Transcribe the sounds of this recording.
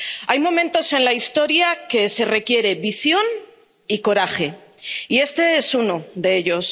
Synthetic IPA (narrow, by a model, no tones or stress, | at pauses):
ajmõ̞mẽ̞nt̪o̞se̞nlaist̪o̞ɾjake̞se̞re̞kje̞ɾe̞βisjo̞n | iko̞ɾaxe̞ie̞st̪e̞e̞suno̞ðe̞e̞ʎo̞s